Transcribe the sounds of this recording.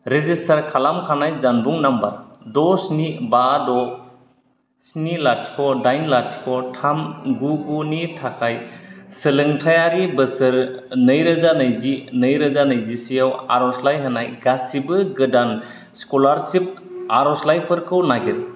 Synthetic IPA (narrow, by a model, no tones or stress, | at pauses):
ɾezistʰaɾkʰalamkʰanajzanbuŋnambaɾdɔsnibadɔ | snilatʰi̥kʰɔdajnlatʰi̥kʰɔtʰamɡuɡunitʰakʰajsɯlɯŋtʰajaɾibɯsɯɾnɯjɾɯzanɯjzinɯjɾɯzanɯjzisijawa̰ɾɔslajɦɯnajɡasibɯɡɯdan | skɔlaɾsip̚aɾɔslajpʰɯɾkʰɯwnaɡit̚